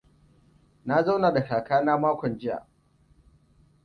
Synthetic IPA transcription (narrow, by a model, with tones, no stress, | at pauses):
na˦za˦wna˨da˨kaː˨kaː˦naː˦maː˦kʷɔ˨nd͡ʒɪ˦ja̰ː˨